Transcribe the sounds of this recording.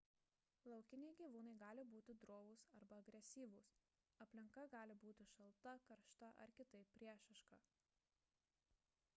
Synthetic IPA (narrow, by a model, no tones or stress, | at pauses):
lˠɐʊkʲɪnʲɛɪɡʲiːʋuːnɐɪɡɑːlʲɪbuːt̪ʲɪd̪ɾoːʋʊsɐɾbɐɐɡɾʲɛsʲiːʋʊs | ɐpʲlʲɪŋkɐɡɑːlʲɪbuːt̪ʲɪʃɐlˠt̪ɐkɐɾʃt̪ɐʔɐ̰ɾkʲɪt̪ɐɪpʲpʲːɾʲiɛʃɐʃkɐ